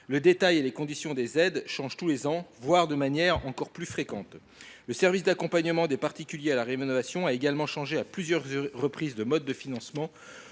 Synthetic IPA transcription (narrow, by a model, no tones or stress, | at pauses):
ləd̪et̪ajelekɔ̃d̪isjɔ̃d̪ezɛd̪ʃɑ̃ʒt̪ulezɑ̃vwaʁd̪əmanjɛʁɑ̃kɔʁplyfχekɑ̃t̪ | ləsɛʁvisd̪akɔ̃paɲəmɑ̃d̪epaʁt̪ikʲyljealaʁenɔvasjɔ̃aeɡalmɑ̃ʃɑ̃ʒeaplyzjœʁʁːəpχizd̪əmɔd̪ːəfinɑ̃smɑ̃